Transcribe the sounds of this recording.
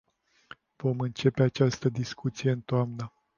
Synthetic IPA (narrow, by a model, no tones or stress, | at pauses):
v̥o̞mɨnt͡ʃe̞peat͡ʃast̪əd̪iskut̪sije̞ɨnt̪oamnə